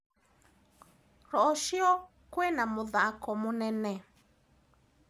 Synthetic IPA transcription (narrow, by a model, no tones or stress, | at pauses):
ɾɔʔɔʃiɔ | kwɛnãmũðaakɔmũnɛ̃nɛ̃